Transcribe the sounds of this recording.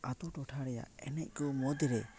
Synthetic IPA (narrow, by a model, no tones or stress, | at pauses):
at̪uʈɔʈʰaɾɛja̰ɛnɛc̚ˀkɔmɔd̪iɾɛ